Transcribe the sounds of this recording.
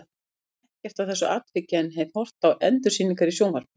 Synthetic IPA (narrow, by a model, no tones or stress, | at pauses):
ɛhcɛft̪awθɛsːʏʔaːt̪fɪcaɛnɦeːjvhɔr̥t̪awʔɛnt̪ʏ̥siːnːiŋkaɾisjoːwnvaɾ̥